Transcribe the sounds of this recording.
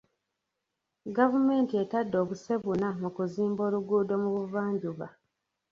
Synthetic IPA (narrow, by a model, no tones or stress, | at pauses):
ɡavume̞ːntie̞tadːo̞ːβuse̞βunamukuziːmbo̞ːluɡuːdo̞muβuvaːɲɟuβa